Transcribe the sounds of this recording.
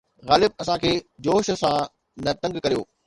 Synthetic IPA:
ɣaːlɪb̚ɐsãkʰeːd͡ʑoːʃ̆sã | nɐt̪ɐ̃ŋɡkɐɾijo̰ː

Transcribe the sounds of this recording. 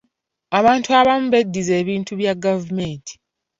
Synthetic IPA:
aβaːntuaβamuβe̞dːize̞ːβiːntuβjaɡavumentʰi̥

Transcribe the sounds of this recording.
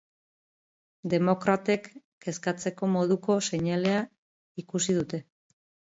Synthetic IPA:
d̪e̞mo̞kɾat̪ekː | eskat͡se̞ko̞mo̞ðuko̞se̞ɲale̞a | ikusið̞ut̪e̞

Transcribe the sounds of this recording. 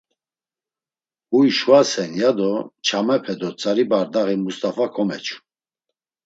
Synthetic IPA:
ujʃwasɛnjad̪ɔt͡ʃʰamɛpʰɛd̪ɔt͡sʼaɾibaɾd̪aʁimust̪ʼafakʰɔmɛt͡ʃʰu̥

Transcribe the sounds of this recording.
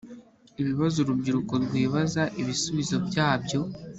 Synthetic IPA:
iβiβazuɾubɟiɾukoɾɡwiːβazaʔiβisuβizo̞bjaːbjo̞

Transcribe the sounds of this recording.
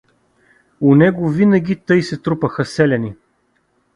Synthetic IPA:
ʊnɛɡʊvinɐɡʲit̪ɤjsɛt̪ɾupəxəsɛlʲɛni

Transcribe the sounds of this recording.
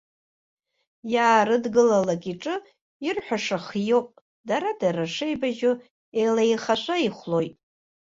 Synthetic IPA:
jaːrɨdɡɨlalakʼiʈ͡ʂʼɨ | irħʷᶣaʂaχijo̞wpʼ | daɾadaɾaʂejbaʒʊ | ejlajχaʃʷʰaiχʷlo̞jtʼ

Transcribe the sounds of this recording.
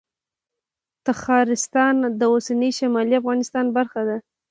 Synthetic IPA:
t̪axɑɾɪst̪ɑnd̪əosanəjʃamɑliafɣɑnɪst̪ɑnbaɾxad̪a

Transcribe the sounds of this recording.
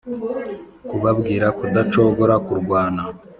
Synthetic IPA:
kuβabɡiːɾakudat͡ʃo̞βo̞ɾakuɾɡwaːna

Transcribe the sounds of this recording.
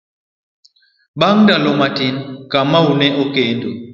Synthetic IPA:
baŋndalomatinkamaunɛʔokendo

